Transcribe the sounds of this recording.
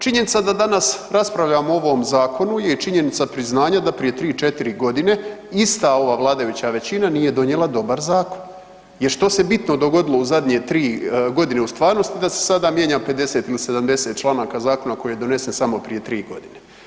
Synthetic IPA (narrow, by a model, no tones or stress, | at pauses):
t͡ʃiɲe̞nit̪sad̪ad̪anasɾaspɾaʋʎamoo̞ʋo̞mzaːko̞nujet͡ʃiɲe̞nit̪sapɾiznaːɲad̪apɾije̞t̪ɾiːt͡ʃe̞t̪iɾiɡo̞d̪ine̞ist̪ao̞ʋaːʋlˠaːd̪ajut͡ɕaʋe̞t͡ɕinanije̞d̪o̞ɲjelˠad̪o̞baɾzaːko̞n | jeɾʃt̪o̞se̞bit̪no̞d̪o̞ɡo̞d̪ilˠouzad̪ɲe̞t̪ɾiːɡo̞d̪ine̞ust̪ʋaːɾno̞st̪id̪ase̥sad̪aːmjeɲape̞d̪e̞set̪ilise̞d̪amd̪e̞se̞t̪t͡ʃlˠaːnaːkazaːko̞nako̞jijed̪o̞ne̞se̞nsamo̞pɾije̞t̪ɾiːɡo̞̰d̪ine̞